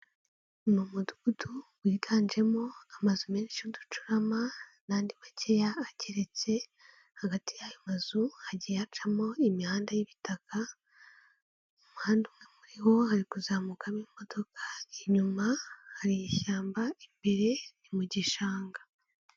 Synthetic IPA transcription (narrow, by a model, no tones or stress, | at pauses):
numuduɡ̥utʰuɡwiːtʰaːnd͡ʒe̞mo̞amazumeːniʃudut͡ʃuɾamanaːndiβacejaːceɾe̞t͡se̞ | haɡatijajomazuhaɟijat͡ʃamo̞imihaːndajiβitaka | omuhaːndumŋe̞muɾiho̞haɾikuzaːmukamimo̞do̞kʰḁiɲumahaɾijiçaːmbaimbeɾe̞nimuɟiʃaːŋɡa